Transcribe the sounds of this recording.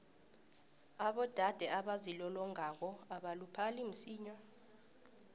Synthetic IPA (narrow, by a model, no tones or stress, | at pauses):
aɓɔd̥ʱad̥ʱɛʔaɓazilɔlɔŋak̬ɔaɓalupʰalim̩siːɲɔ